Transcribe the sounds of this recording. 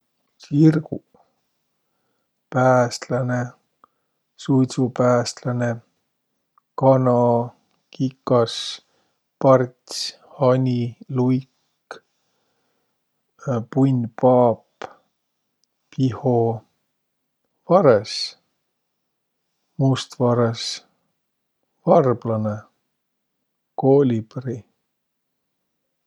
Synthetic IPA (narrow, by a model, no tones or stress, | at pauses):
sirɡ̥u | pæːst̪lɑne | sujt̪supæːst̪lɑne | kɑnɑ | kikːɑs | pɑrt̪sʲ | hɑnʲilujk | pujnʲpɑːp | piho | vɑɾes | must̪vɑɾes | vɑrb̥lɑne | koːlʲibri